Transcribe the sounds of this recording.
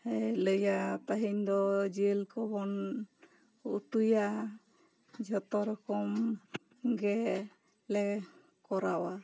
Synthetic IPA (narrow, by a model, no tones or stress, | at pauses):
ɛləjat̪aɦiɲd̪ɔd͡ʒelkʰɔbɔn | ut̪uja | d͡ʒʱɔt̪ɔɾɔkɔm | ɡɛ | lɛ | kɔɾawa